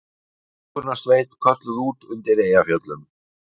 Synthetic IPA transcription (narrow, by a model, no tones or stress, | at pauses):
ʏɾnḁsveːjt̪kʰœt̪lðuːt̪ʏnt̪ɪɾeːjafjœt̪lʏm